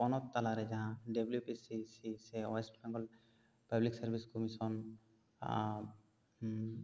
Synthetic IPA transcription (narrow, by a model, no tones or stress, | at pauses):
pɔnɔt̪ːalaɾɛd͡ʒaɦãɖeblupisisisɛɔɛsʈbɛ̃ŋɡɔl | pabliksaɾbʱiskɔmisɔn